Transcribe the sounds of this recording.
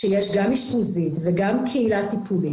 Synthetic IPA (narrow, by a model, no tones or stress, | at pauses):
ʃejeʃɡamiʃχuzit̪veɡamkʰeilat̪ipʰuli